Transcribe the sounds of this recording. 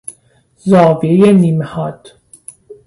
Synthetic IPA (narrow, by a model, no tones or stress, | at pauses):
zɒːviejeniːmehɒːd̪̥